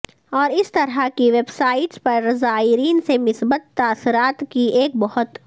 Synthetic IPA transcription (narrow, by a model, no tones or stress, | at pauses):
ɔːɾɪst̪ɐɾakiʋeːbsaːɪʈspɐɾːɐzaːɪɾiːnsemɪsbət̪ːaːsɪɾaːt̪kieːk̚bɔhʊt̪